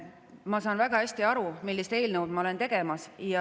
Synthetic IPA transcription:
mɑsɑːnvæɡ̥ɑhæsʲt̪iɑɾumilːist̪e̞ːlnəwd̪̚mɑo̞le̞nt̪e̞ɡ̥e̞mɑsjɑ

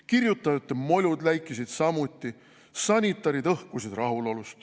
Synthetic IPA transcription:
kirjut̪ˑːɑjɑt̪ːˑemo̞lʲud̪læjkˑisid̪̥sɑmut̪ʲːˑi | sɑnʲit̪ːˑɑɾid̪ɤhkusid̪rɑɦulo̞lust̪

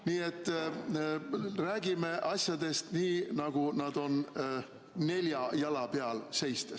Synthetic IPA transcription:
niːe̞t̪ːˑ | ræːɡ̥ime̞ʔɑsʲjɑd̪̥e̞st̪niːnɑɡ̥unɑd̪o̞n | ne̞lʲjɑjɑlɑpe̞ɑlse̞jst̪es

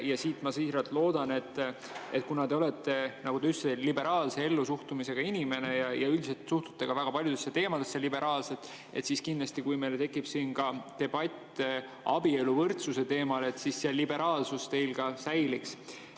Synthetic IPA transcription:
jɑsiːt̪mɑsiːhɾɑt̪lo̞ːd̪̥ɑne̞t̪ː | et̪̚kunɑd̪e̞o̞le̞t̪ːˑe̞nɑɡud̪̥eyselːibe̞ɾɑːlse̞e̞lːusuht̪umise̞ɡ̥ɑinʲime̞ne̞jɑjɑyld̪iselt̪suht̪u̥t̪ːe̞ɡ̥ɑvæɡ̥ɑpɑlʲjud̪̥e̞sːet̪e̞ːmɑd̪e̞sjɑlibe̞ɾʔɑːlse̞t̪ː | e̞̰t̪siskind̪lɑsʲt̪ikujme̞jlet̪e̞kːˑipsiːnkɑt̪e̞b̥ɑt̪ʲː | ɑ̰bielːuvɤrt̪suse̞t̪e̞ːmɑle̞t̪sisːeɑlːibe̞ɾɑːlsust̪e̞jlkɑsæjliks

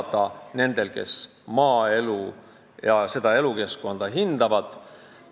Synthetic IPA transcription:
t̪ɑne̞nd̪̥e̞lke̞̰s | mɑːe̞lu | jɑse̞d̪ɑe̞luke̞sko̞nd̪̥ɑɦind̪̥ɑvɑd̪̥

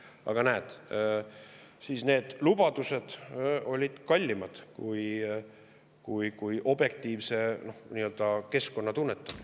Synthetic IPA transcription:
ɑ̰ɡ̥ɑnæːd̪̥ | siːsne̞ːd̪̥lub̥ɑd̪use̞d̪̥o̞lʲid̪̥kɑlʲːimɑd̪̥kuj | kujkujʔo̞bje̞k̚t̪ˑiːvse̞no̞hniːøld̪ɑke̞sko̞nːɑt̪unːet̪ːˑɑ̥

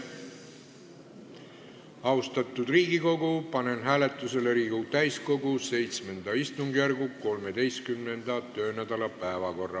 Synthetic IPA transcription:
ɑwst̪ɑt̪ːˑud̪̥riːɡiko̞ɡupɑne̞nɦæːle̞t̪ːˑuse̞leɾiːɡ̥ut̪æjsko̞ɡuse̞jt̪sme̞nd̪ɑist̪uŋɡjærɡuko̞lme̞d̪̥e̞jst̪kymne̞nd̪̥ɑt̪ø̞ːnæd̪̥ɑlɑpæevɑko̞rːɑ

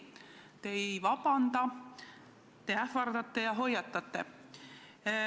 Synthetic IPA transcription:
t̪e̞jvɑpɑnd̪ɑ | t̪eæfɑrd̪ɑt̪ːe̞jɑɦo̞jːɑt̪ːˑɑt̪ːe̞̰

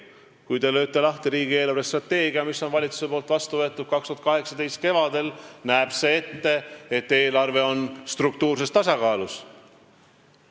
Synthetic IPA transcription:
kujt̪e̞lø̞ːt̪ːˑe̞lɑht̪iɾiːɡ̥ie̞ːlɑrvest̪rɑt̪ːe̞ːɡiɑmisːo̞nvɑlʲit̪su̥se̞poːlt̪vɑst̪uvɤt̪ːˑud̪̥̚kɑkst̪uɑt̪kɑɦe̞ksɑd̪ejst̪̚ke̞vɑd̪e̞lnæeb̥se̞e̞t̪ːe̞et̪ːe̞ːlɑrve̞o̞nst̪ruk̚t̪uːrs̬e̞st̪ɑsɑkɑːlus

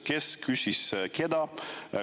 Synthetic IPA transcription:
keskʰysisked̪ɑ

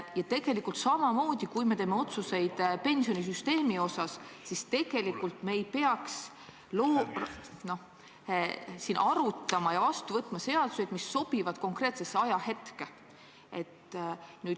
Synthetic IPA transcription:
jɑt̪e̞ɡ̥e̞likult̪sɑmɑmo̞ːd̪̥ikujme̞t̪e̞ːme̞o̞t̪suse̞jd̪̥pe̞nsio̞nis̬yst̪e̞ːmio̞sɑssist̪e̞ɡ̥e̞likːˑult̪me̞jpe̞ɑks | loːno̞h | siːnʔɑɾut̪ːˑɑmɑjɑvɑst̪uvɤt̪ːˑmɑse̞ɑd̪u̥se̞jd̪̥misːo̞b̥ivɑd̪̥ko̞ŋkre̞ːt̪se̞sːeɑjɑhe̞t̪ke̞ | e̞t̪nyːd̪

